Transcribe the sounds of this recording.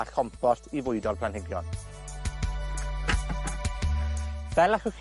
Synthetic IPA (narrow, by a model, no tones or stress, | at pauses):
aɬʰɔmfɔrtʰivʊɨdɔlˠpʰl̥ˠanhɪɡjɔ̰n | vɛlˠaχʊχ